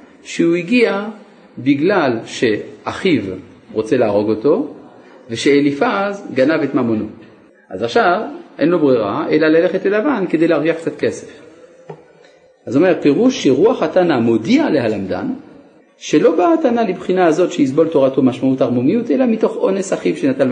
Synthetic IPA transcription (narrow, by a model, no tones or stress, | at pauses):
ʃeuiɡia | biɡlalʃeaχiv | ʁo̞t͡selaːʁo̞ɡo̞to̞ | veʃeelifazɡanavetmamono̰ | ʔazaχʃavʔḛnlobʁeʁaʔelalaleχetelavankede̞jleaʁɡiaχkt͡sat̪ke̞se̥f | ʔazome̞ʁpeʁuʃːeʁuaχatanamodialeɦalamd̪a̰n | ʃe̞lo̞baːtanalibχinaːzo̞tʃeis̬bo̞ltoʁatomaʃmautaʁmomijutelamito̞χone̞saχivʃenat̪an